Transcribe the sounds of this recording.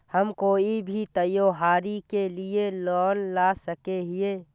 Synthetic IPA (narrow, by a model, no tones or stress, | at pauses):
həmkoːibʱit̪əjoːɦaːɾikelielɔːnlasəkeɦɪeː